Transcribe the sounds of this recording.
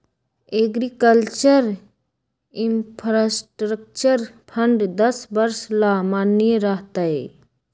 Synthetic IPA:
eɡɾikəlt͡ʃəɾ | ɪmpʰɾasʈɾək̚t͡ʃəɾpʰəɳɖd̪əsbəɾslamaːnijeɾəɦt̪ae

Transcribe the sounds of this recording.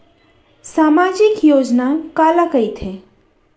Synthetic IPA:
saːmad͡ʒɪkjoːd͡ʒnakalakəjt̪ʰe

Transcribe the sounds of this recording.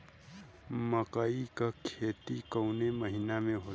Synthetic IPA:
məkəikakʰet̪ikəʊneməɦinamẽɦo

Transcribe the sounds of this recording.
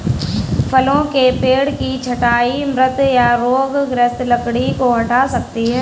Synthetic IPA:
pʰəlõkepeːɽkit͡ʃʰɐʈaːimɾət̪jaɾoːɡɡɾəst̪lɐkɽikoɦɐʈaːsɐk̚t̪iɦɛ̃ː

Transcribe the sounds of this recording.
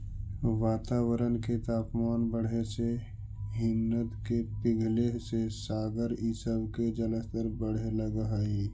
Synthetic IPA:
ʋaːt̪aːwəɾənket̪aːkmaːnbəɽ̤ese | ɦɪnːət̪kepɪɡʱlesesaːɡəɾɪsəbked͡ʒələst̪əɾbəɽ̤eləɡəɦi

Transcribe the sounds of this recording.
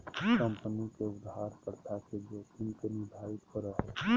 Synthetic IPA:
kə̃mpənikeʊd̪ɦaɾkəɾt̪ʰaked͡ʒokʰɪnkenɪɾd̪ʱaɾɪt̪kəɾəɦɛ

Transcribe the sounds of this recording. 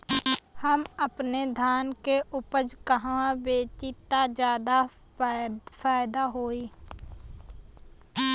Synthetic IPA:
həməpned̪ʱaːnkeʔʊpəd͡ʒkəɦãbeːt͡ʃit̪ad͡ʒjaːd̪a | faːjɪd̪aɦoːiː

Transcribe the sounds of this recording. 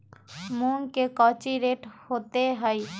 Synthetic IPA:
munkekɔt͡ʃiɾeʈhot̪eɦɔe

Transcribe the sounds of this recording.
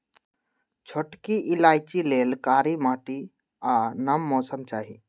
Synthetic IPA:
t͡ʃʰoʈkiʔɪlaːɪt͡ʃileːlkaːɾimaːʈi | aːnəmːɔːsəmt͡ʃaːɦḭː

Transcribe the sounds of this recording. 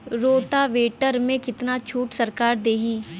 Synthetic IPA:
ɾoːʈaːʋeːʈəɾmẽːkɪt̪naːt͡ʃʰuːʈsəɾkaːɾd̪eːɦiː

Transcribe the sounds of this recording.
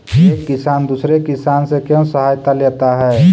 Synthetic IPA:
eːkːisaːnd̪usɾekisaːnsẽkjə̃səɦaːjt̪aleːt̪aɦɛ

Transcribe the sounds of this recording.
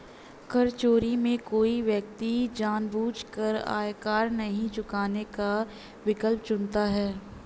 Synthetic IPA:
kɐɾt͡ʃoːɾimẽkoːiʋjək̚t̪id͡ʒaːnbuːt͡ʃkəɾa̰ːjkaːɾnɐɦĩt͡ʃʊkaːneka | ʋɪkəlp̚t͡ʃʊnt̪aɦɛː

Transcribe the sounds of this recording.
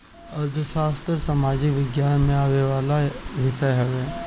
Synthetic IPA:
ɐɾd̪ʱəʃaːst̪ɾsamaːd͡ʒɪkʋɪɡjaːnmẽaːweʋaːlaʋɪʃəjɦɛʋeː

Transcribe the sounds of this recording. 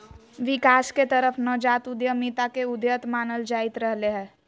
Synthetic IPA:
ʋɪkaːsket̪əɾəpʰnəd͡ʒaːt̪ud̪jəmit̪akeʊd̪jət̪maːnəld͡ʒaːɪt̪ɾəɦleɦɛ̃ː

